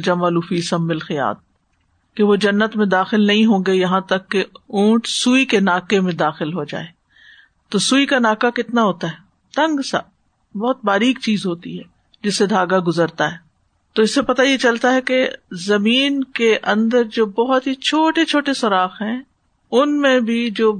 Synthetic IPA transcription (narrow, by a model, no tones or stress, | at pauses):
d͡ʒamaːluːfiːsɐmːɪlxɪja̰ːt̪̚ | keʋod͡ʒɐnːət̪mẽd̪aːxɪlnɐɦĩɦõːŋ̆ɡejɐɦãt̪ɐkːeũːʈsuːikenaːkemẽd̪aːxɪlɦod͡ʒa̰ːeː | t̪osuːikanaːkakɪt̪naɦoːt̪aɦɛː | t̪ɐ̃ŋɡsa̰ | bɐɦʊt̪̚baːɾiːkt͡ʃiːzɦoːt̪ḭɦɛː | d͡ʒɪsːed̪ʱaːɡaɡʊzəɾt̪aɦɛː | t̪oɪsːepɐt̪ajet͡ʃɐlt̪aɦɛkezɐmiːnkeʔɐ̃nd̪əɾd͡ʒoːbɔɦʊt̪ɦit͡ʃʰoːʈet͡ʃʰoːʈesɐɾaːxɦɛ̃ː | ʊnmẽbʱid͡ʒoː